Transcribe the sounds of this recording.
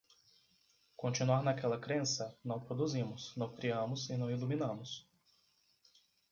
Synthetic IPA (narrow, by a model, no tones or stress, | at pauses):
kõnt͡ʃinuaɾnɐkɛlɐkɾẽsɐnɐ̃w̃pɾod̪uzĩmʊsnɐ̃w̃kɾiɐ̃mʊzɪnɐ̃w̃iluminɐ̃mʊs